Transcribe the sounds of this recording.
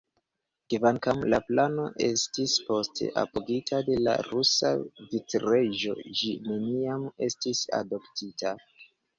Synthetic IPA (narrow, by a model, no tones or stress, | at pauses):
kvaŋkamlaplano̞ʔe̞̰stispo̞stʰḛʔa̰poɡitʰade̞la̰ɾusa̰vitɾeʒo̞̰d͡ʒineniame̞̰stisa̰do̞ptitʰa